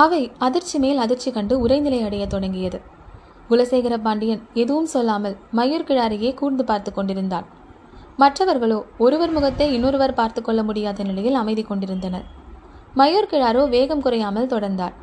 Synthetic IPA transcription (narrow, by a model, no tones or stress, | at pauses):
ɐʋɐɪɐðɪɾt͡ʃːimeːlɐðɪɾt͡ʃːikɐɳɖɯʊɾɐɪnɪlɐɪɐɽɐjɐt̪ːɔɽɐŋɡɪjɐðɯ | ɡʊlɐseːɣɪɾɐpaːɳɖɪjɐnɛðɯʋɯmsɔlːaːmɐlmɐjoːɾkɪɻaːɾɪjeːkuːɾnd̪ɯpaːɾt̪ɯkːɔɳɖɪɾɯnd̪aːn | mɐʈrɐʋɐɾɣɐɭoːɔɾɯʋɐɾmʊɣɐt̪ːɐɪɪnːoːɾɯʋɐɾpaːɾt̪ɯkːɔɭːɐmʊɽɪjaːðɐnɪɭɐjɪlɐmɐɪðɪkːɔɳɖɪɾɯnd̪ɐnɐ̰ɾ | mɐjoːɾkɪɻaːɾoːʋeːɣɐmkʊɾɐjaːmɐlt̪ɔɽɐɾnd̪aːɾ